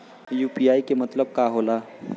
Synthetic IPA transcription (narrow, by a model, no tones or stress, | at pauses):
juːpiːaːikemɐt̪ləb̚kaːɦoːlaː